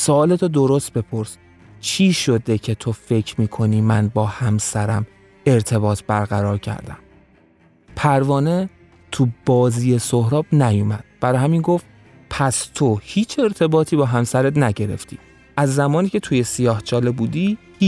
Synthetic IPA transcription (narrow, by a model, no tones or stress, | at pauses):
soɒːle̞t̪ʰod̪o̞ɾo̞st̪̚be̞pʰo̞ɾs | t͡ʃʰiːʃod̪e̞cʰe̞t̪ʰo̞fe̞cʰɾmiːkʰo̞niːmænbɒːhæmsæɾæ̰m | e̞ɾt̪ʰe̞bɒːt̪ʰbæɾɣæɾɒːɾcʰæ̰ɾd̪æ̰m | pʰæɾvɒːne̞ | t̪ʰubɒːziːje̞sohɾɒːbnæjumæd̪̥̚b̥æɾɒːɦæminɡo̞ft̪ | pʰæst̪ʰo̞hiːt͡ʃʰe̞ɾt̪ʰe̞bɒːt̪ʰiːbɒːɦæmsæɾet̪næɟe̞ɾe̞̰ft̪ʰḭː | ʔæzːæmɒːniːcʰe̞t̪ʰuje̞sijɒːht͡ʃʰɒːle̞buːd̪iː | h